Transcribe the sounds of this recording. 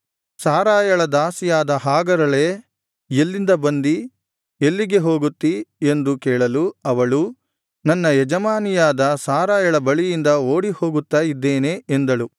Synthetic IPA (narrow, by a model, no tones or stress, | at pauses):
saːɾaːjɐɭɐd̪aːsijaːd̪ɐɦaːɡɐɾɐɭe̞ː | elːind̪ɐbɐnd̪i | elːiɡe̞ɦo̞ːɡut̪ːie̞nd̪ukɛːɭɐluɐʋɐɭu | nɐnːɐjɛd͡ʒɐmaːnijaːd̪ɐsaːɾaːjɐɭɐbɐɭijind̪ɐo̞ːɽiho̞ːɡut̪ːaːjid̪ːe̞ːne̞end̪ɐɭu